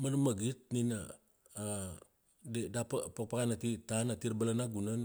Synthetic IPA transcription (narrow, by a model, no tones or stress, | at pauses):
manmaɡit̚nina | dedapapak̚pakanatitanatiɾbalanaɡunan